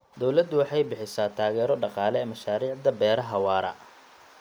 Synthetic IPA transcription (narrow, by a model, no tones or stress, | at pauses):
d̪ɔwlɐd̪ʊwɑħɑjbɪħɪsaːt̪ʰaːɣɛːɾɔɖɑqɑːlɛɛːmɐʃaːɾiːʕd̪ɐbɛːɾɐɦɐwɑːɾɐ̰